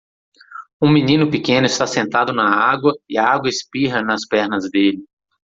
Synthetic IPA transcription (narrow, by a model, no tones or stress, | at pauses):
ũminĩnʊpikẽnʊɪst̪asẽnt̪ad̪ʊnɐaɡwɐɪɐaɡwɐɪspiɦɐnɐspɛɾnɐzd̪elɪ